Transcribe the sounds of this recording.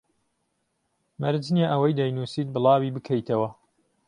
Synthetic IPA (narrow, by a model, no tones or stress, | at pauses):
mɐɾd͡ʒnjaʔɐwɐjd̪ɐjnusiːt̪̚bɨlˠɑːwibɨkʰɐjt̪ʰɐwɐ